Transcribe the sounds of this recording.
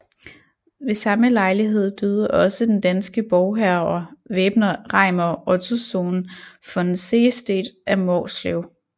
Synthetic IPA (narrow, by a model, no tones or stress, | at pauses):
ʋe̝sɑ̈məlɑ̈ɪliɦe̝ð̞̰ˠd̥øðˠɐʔɒ̽səd̥end̥ænsɡ̥əb̥ɒʊɦæɐɐʋeːb̥nɐʁɑ̈ɪmɐɒ̽t͡sʰusoːnfɒ̥̽enseːsd̥ḛːd̥ʔæmɒːsleʊ